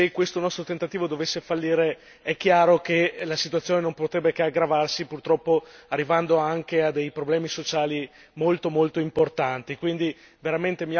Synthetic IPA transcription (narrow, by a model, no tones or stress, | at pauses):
sekːwest̪onɔst̪ɾot̪ent̪at̪iːvod̪ovesːefalːiːɾe | ɛk̟ːjaːɾokelasit̪uat̪sːjoːnenõmpot̪ɾɛbːekeaɡɾavarsipurt̪ɾɔpːoarːivand̪oaŋkead̪ejpɾoblɛːmisot͡ʃaːli | molt̪omolt̪oimport̪ant̪ikwind̪i | veɾament̪emi